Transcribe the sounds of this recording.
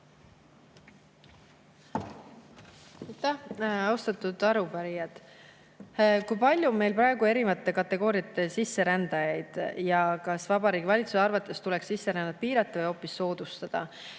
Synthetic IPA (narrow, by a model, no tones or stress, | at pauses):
ɑjt̪ːˑæhɑwst̪ɑt̪ːˑud̪̥ɑɾupæɾijɑd̪̥ | kujpɑlʲjume̞jlpɾɑeɡ̥ue̞ɾivɑt̪ːˑe̞kɑt̪ːˑe̞ɡ̥o̞ːɾijɑt̪ːˑe̞sisːe̞ɾænd̪̥ɑjɑjd̪̥jɑkɑsvɑbɑɾiːɡivɑlʲit̪susɑɾvɑt̪ːˑe̞st̪ulɛ̞ksːisːeɾænd̪ɑt̪̚piːɾɑt̪ˑːɑvɯjo̞ːpːˑisːo̞ːd̪̥ust̪ɑd̪̥ɑ̰